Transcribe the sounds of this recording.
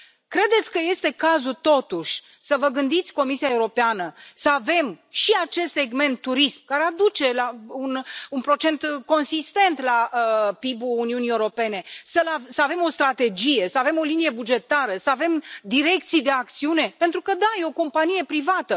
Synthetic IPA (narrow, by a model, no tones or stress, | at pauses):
kɾe̞d̪e̞t̪sʲkəje̞st̪e̞kazut̪o̞t̪uʃʲ | səvəɡɨnd̪it̪sʲko̞misiae̞uɾo̞peanəsəave̞mʃiat͡ʃe̞st̪seɡme̞nt̪ːuɾismkaɾead̪ut͡ʃe̞laununpɾo̞t͡ʃe̞nt̪ko̞nsist̪e̞nt̪laəpibuːniunieuɾo̞pe̞ne̞səlavsəave̞mo̞st̪ɾat̪e̞d͡ʒije̞səave̞mo̞linije̞bud͡ʒe̞t̪aɾəsəave̞md̪iɾe̞k̚t̪sijd̪e̞ak̚t̪siune̞pe̞nt̪ɾukəd̪aje̞o̞ko̞mpanije̞pɾivat̪ə